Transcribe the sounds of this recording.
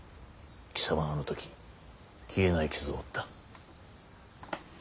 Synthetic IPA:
kʲi̥saβaano̞t̪o̞kʲi̥ | kʲʰie̞naikʲizɨoːt̪ːḁ

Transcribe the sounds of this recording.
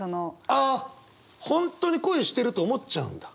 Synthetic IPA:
onoa | hõ̞nt̪o̞ːɲ̟iko̞eɕi̥t̪e̞ɾɯ̟t̪o̞ːmo̞tt͡ɕaɯ̟̰̃nd̪ḁ

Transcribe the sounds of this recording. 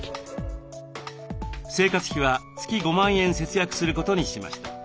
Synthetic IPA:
se̞ːkat͡sɨ̥çʲiβ̞at͡sɨ̥kʲiɡo̞mãɰ̃ẽ̞ɰ̃se̞t͡sɨjakɯ̟̥sɨɾɯ̟ko̞t̪o̞ɲ̟iɕima̰ɕi̥t̪a

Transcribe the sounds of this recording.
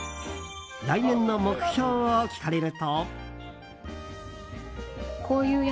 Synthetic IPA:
ɾainẽ̞nːo̞mo̞kɯ̟̥ço̞ːβokʲi̥kaɾeɾɯ̟t̪o | kʰo̞ːjɯ̟ː

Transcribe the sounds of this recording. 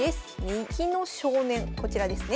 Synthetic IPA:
esɨ̥ɲ̟ʲĩŋkʲino̞ɕo̞ːnẽ̞ŋko̞t͡ɕiɾad̪e̞sɨne

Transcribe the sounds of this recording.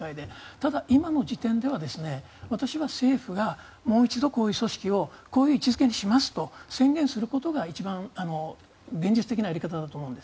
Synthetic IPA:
aid̪e̞t̪ad̪aʔimano̞d͡ʑit̪ẽ̞nd̪e̞β̞ad̪e̞sɨne̞ | βat̪aɕiβase̞ːɸɯ̟ɡa | mo̞ːit͡ɕid̪o̞ko̞ːjɯ̟ːso̞ɕi̥kʲio̞ko̞ːjɯ̟ːit͡ɕizɨke̞ɲ̟iɕimasɨ̥t̪o̞sẽ̞ŋɡẽ̞ɰ̃sɨɾɯ̟ko̞t̪o̞ɡait͡ɕibãŋano̞ | ɡẽ̞ɲ̟d͡ʑit͡sɨ̥t̪e̞kʲinajaɾʲikat̪ad̪at̪oːmo̞ɯ̃nd̪e̥

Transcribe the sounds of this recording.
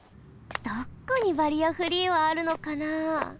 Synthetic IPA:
d̪̥okːaɲ̟iβaɾʲiaɸɯ̟ɾʲiβaːɾɯ̟no̞kana

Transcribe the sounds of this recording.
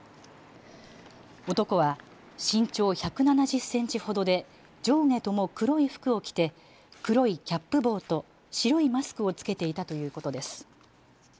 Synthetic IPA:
o̞t̪o̞ko̞β̞a | ɕĩɲ̟t͡ɕo̞ːçakɯ̟nanaʑɨsːẽ̞ɲ̟t͡ɕiho̞d̪o̞d̪e̞ | d͡ʑo̞ːŋe̞t̪o̞mo̞kɯ̟ɾo̞iɸɯ̟̥kɯ̟o̞kʲi̥t̪e̞ | kɯ̟ɾo̞ikʲapːɯ̟bo̞ːt̪o̞ | ɕiɾo̞imasɨ̥kɯ̟o̞t͡sɨ̥ke̞t̪e̞it̪at̪o̞jɯ̟ːko̞t̪o̞d̪e̞sɨ̥

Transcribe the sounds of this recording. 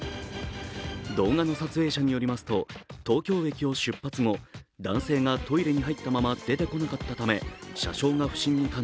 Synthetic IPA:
d̪o̞ːŋano̞sat͡sɨe̞ːɕaɲ̟ijo̞ɾʲimasɨ̥t̪o̞t̪o̞ːkʲo̞ːbe̞kʲio̞ɕɨpːat͡sɨŋo̞ | d̪ãɰ̃se̞ːŋat̪o̞iɾe̞ɲ̟iɦait̪ːamamad̪̥e̞t̪e̞ko̞nakat̪ːat̪ame̞ɕa̰ɕo̞ːŋaɸɯ̟̥ɕĩɲ̟ːikãn

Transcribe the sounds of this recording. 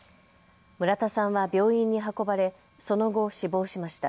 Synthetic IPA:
mɯ̟ɾat̪asãɰ̃βabʲjo̞ːĩɲ̟ːiɦako̞baɾe̞ | so̞no̞ɡo̞ɕibo̞ːɕimaɕi̥t̪a

